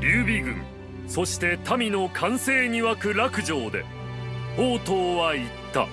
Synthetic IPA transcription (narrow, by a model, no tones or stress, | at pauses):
ɾʲɨːbʲiɡɯ̟̰̃ŋ | so̞ɕi̥t̪e̞t̪amʲino̞kʰãɰ̃se̞ːɲ̟iβakɯ̟ɾakɯ̟ʑo̞ːd̪e̞̰ | hoːt̪o̞ːβait̪ːa̰